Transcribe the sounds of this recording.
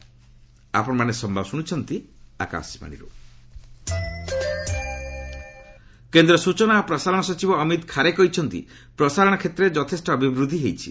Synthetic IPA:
a̰pɔɽ̃ɔmanesɔmbʱabɔsuɽ̃it͡ʃʰɔnt̪ia̰ka̰sma̰ɽ̃ḭɾu | kend̪ɾɔsut͡ʃɔnapɾɔsaɾɔɽ̃ɔsɔt͡ʃibɔːmit̪kʰaɾekɔit͡ʃʰɔnt̪ḭ | pɾɔsaɾɔɽ̃ɔkʰet̪ɾed͡ʒɔt̪ʰesʈɔːbʱibɾud̪ʱiɦejt͡ʃʰḭ

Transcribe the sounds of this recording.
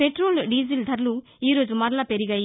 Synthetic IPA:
peʈɾoːlɖiːd͡ʒild̪ʱɐɾlu | iːɾo̞ːd͡ʒumɐɾlaːpeɾiɡɐj

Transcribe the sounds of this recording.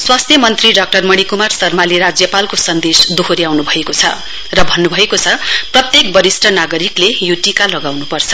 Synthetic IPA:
swast̪ʰjʌmʌnt̪riɖʌk̚ʈʌrmʌɽ̃ikumarsʌrmaliɾad͡zjʌpalkosʌnd̪esd̪oɦoɾiawnubʱʌekot͡sʰʌ̰ | rʌbʱʌnːubʱʌekot͡sʰʌprʌt̪jek̚bʌɾisʈʌnaɡʌɾiklejuʈikalʌɡawnupʌrt͡sʰʌ̥

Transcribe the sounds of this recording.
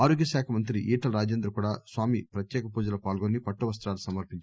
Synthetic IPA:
aːɾoːɡjɐsaːkʰɐmɐnt̪ɾiʔiːʈɐlɾaːd͡ʒeːnd̪ɾɐkuːɽaːsʋaːmipɾɐt̪jɛːkɐpuːd͡ʒɐlɐpaːlɡoːnːipɐʈːuʋɐs̬t̪ɾaːlusɐmɐɾpiɲt͡ʃ

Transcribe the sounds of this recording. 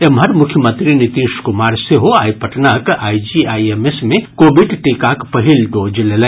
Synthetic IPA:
emɦɐɾmʊkʰjəmə̃nt̪ɾinit̪iːʃkʊmaːɾseɦoaːipɐʈnakaːid͡ʒiaːjemesmẽkoːbiɖʈikakpɐɦilɖoːd͡ʒlelẽː

